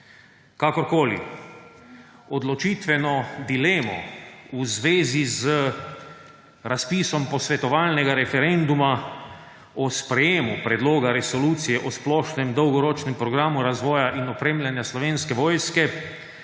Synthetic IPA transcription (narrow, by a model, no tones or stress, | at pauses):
kakɔɾkoːlḭ | ɔd̪lɔt͡ʃiːt̪ʋɛnɔd̪ilɛːmɔ̰uzʋeːzizə | ɾaspiːsɔmpɔsʋɛt̪ɔʋaːlnɛɡaɾɛfɛɾɛnd̪uma | ɔspɾɛjeːmupɾɛd̪loːɡaɾɛsɔluːt̪sijɛʔɔsplɔːʃnɛmd̪ɔwɡɔɾɔːt͡ʃnɛmpɾɔɡɾaːmuɾazʋɔːjaʔinɔpɾeːmlʲjanjaslɔʋeːnskɛʋɔːjskɛ